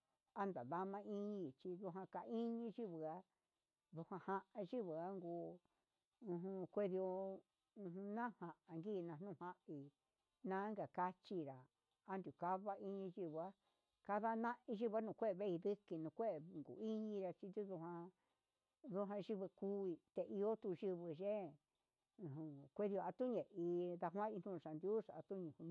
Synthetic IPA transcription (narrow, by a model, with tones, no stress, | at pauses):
a˦nd̪a̰˨ða˧mã˧i˦ɲĩ˧˨t͡ʃi˧ðu˧ɦã˧ka˧i˦ɲĩ˧ʒi˦βɨ˨a˦ | ðu˧hã˧hã˧ʔã˧ʒi˦βɨ˨a˦ŋɡu˧ | ũ˧ɦũ˧kʷe˦ði˧o˧ | ũ˧hũ˧nã˦hã˨ʔã˨ŋɡi˦˧˨nã˧˨nũ˦˨hã˦ʔi˨ | nã˦ŋɡa˨ka˦t͡ʃi˧ɾa˨ | a˦nd̪u˨ka˦βa˦i˧ɲĩ˧ʒi˧βɨ˧a˦ | ka˦ða˦nã˦ʔĩ˧ʒi˦βa˦nũː˧˨kʷe˦e˧βe˦i˧ði˦ki˧nũ˧kʷe˦ʔe˨ŋɡṵ˨i˦ɲĩ˧ɾa˧t͡ʃi˧d̪u˦ðu˧ɦã˧ | ðu˧ɦã˧ʒi˧βɨ˧ku˦i˧t̪e˧ʔi˧o˦t̪u˧ʒɨ˧βɨ˧ʒe˦˧˨ | ɦũ˧kʷe˧ði˧o˧a˧t̪u˦ɲẽ˨ʔi˧ða˧ɦwã˦i˧n̥ũ˦˧ʃa˨nd̪ju˦ʂa˨a˧t̪u˦ɲĩ˧hũ˧